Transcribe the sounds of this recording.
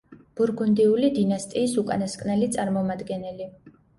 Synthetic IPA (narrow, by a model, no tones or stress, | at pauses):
b̥uɾɡund̪iulid̪inast̪ʼiːsukʼa̰naskʼnɛlit̪sʼaɾmɔmad̪ɡɛnɛli